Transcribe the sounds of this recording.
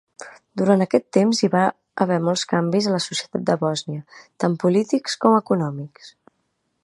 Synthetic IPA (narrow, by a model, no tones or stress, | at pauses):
d̪uɾant̪əkɛt̪ːemziβa | ə̰βɛmɔlˠskambizələsusjət̪at̪̚d̪əβɔzniət̪ampulit̪ikskɔməkunɔmiks